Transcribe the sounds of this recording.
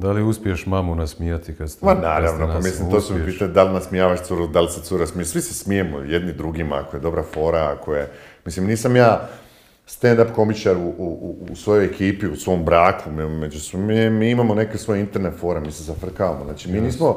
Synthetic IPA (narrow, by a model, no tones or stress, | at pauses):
d̪aliuspʲieʃmamunasmijat̪ikad̪smanaːɾaʋnopamislimtt̪oːt̪umipiːt̪aɲud̪alinasmijaːʋaʃt̪suɾud̪aliset̪uɾosmiesʋisesmijemo̰je̞d̪nid̪ɾuɡima̰a̰koje̞d̪o̞bɾafo̞ːɾaakʰoje̞mislimniːsamjaː | st̪end̪apko̞mit͡ʃaɾuuuusʋo̞jo̞jekʰiːpiusʋo̞mbɾaːkummed͡ʒusmiemiːimamo̞ne̞kesʋo̞jint̪eɾnefo̞ːɾamiːsezafr̩kaʋamoznaːt͡ʃimiːniːsmo